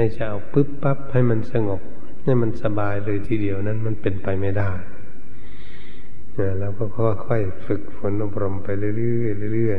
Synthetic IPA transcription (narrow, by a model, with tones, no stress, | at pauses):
ha˧˩jt͡ɕa˧˩ʔa˨˩wpɯ˦˥pːa˦˥p̚ha˧˩jma˧˥˨nsa˧ŋo˧˩p̚ | ha˧˩˨jma˧˨nsa˧baː˨jlɤː˧jt̪ʰiː˧di˨əwna˧˥˨nma˧˥˨npe˨npa˨jma˧˩˨jdaː˧˩j | a˧˩lɛː˧˩pʰɔː˧˥˩pʰɔː˧waː˧kʰɔ˧˩j | fɯ˨˧˩k̚fo˨˦nʔo˧p̚ɾo˧mpa˨jlɯ˧˨lɯ˧ɯ˧˩˨jlɯ˧˨lɯ˧˩əj